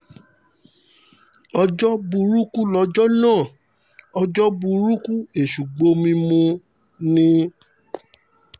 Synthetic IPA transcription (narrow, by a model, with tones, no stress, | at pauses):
ɔ˧d͡ʒɔ˦bu˧ɾu˦ku˦lɔ˧d͡ʒɔ˦nãː˦˨ | ɔ˧d͡ʒɔ˦bu˧ɾu˦ku˦e˨ʃu˨ɡ͡bo˧˦mĩ˧mũ˧ | nĩ˦